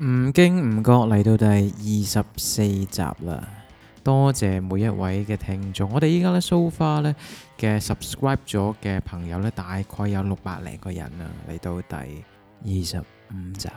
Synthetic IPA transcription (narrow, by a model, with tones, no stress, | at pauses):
m̩ː˨˩kɪ˥ŋm̩˨˩kɔː˧k̚lɐ˨˩jt̪o˧wt̪ɐ˨jjiː˨sɐ˨p̚se˧jt͡sa̰ː˨p̚lɐ̰ː˧ | t̪ɔː˥t͡sɛː˨˩muː˨˧jːɐ˥t̚wɐ˨˥jkɛː˧t̪ʰɪ˧ŋt͡ʃʊ˧ŋːɔː˨˧ɾe˨jiː˥kaː˥lɛː˥so˥wfaː˥lɛː˥kɛː˧sɐ˨p̚skɹaː˥jp̚t͡sɔː˨˥kɛː˧pʰɐ˨˩ŋjɐ˨˧wlɛː˥t̪aː˨jkʰɔː˧jːɐ˨˧wlʊ˨k̚paː˧t̚lɛ̰ː˨˩ŋkɔː˧jɐ̰˨˩nɐ̰ː˧lɐ̰˨˩jt̪o˧wt̪ɐ̰˨j | jiː˨sɐ̰˨p̚m̩˨˧t͡sa̰ː˨p